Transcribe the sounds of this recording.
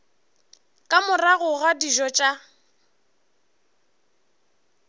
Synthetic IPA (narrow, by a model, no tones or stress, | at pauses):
kʼamʊraɣʊɣadiʒɔt͡ʃʼa